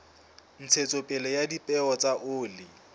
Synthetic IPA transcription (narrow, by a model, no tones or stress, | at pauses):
n̩t͡sʰet͡sʼopʼɛlɛjadipʼɛɔt͡sʼaʔʊːlɪ